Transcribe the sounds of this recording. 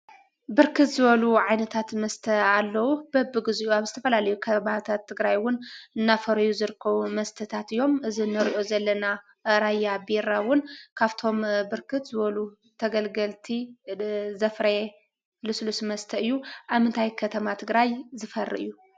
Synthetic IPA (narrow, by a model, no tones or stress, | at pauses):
bɨɾkʰɨt̪zɨβɐluʕajnɐt̪ʰat̪mɐst̪ʰɐalːɐwub̥ɐbːɨɡɨziʔuaβzɨt̪ʰɐfɐlalɐjukʰɐbaβt̪ʰat̪ʰːɨɡɾajwʊnɨnːafɐɾɐjuzɨɾɨkʰːɐβumɐst̪ʰɐt̪ʰat̪ɨjːo̞mɨzinɨɾiʔo̞zɐlːɐna | ɾajːabeɾawʊnkʰaβt̪ʰo̞mbɨɾkʰɨt̪zɨβɐlu | t̪ʰɐɡɐlɡɐlt̪ʰi | zɐfɾɐ | lɨslusmɐst̪ʰɐɨjːuʔaβmɨnt̪ʰajkʰɐt̪ʰɐmat̪ʰɨɡɾajzɨfɐrːɨ̰ʔɨ̰jːu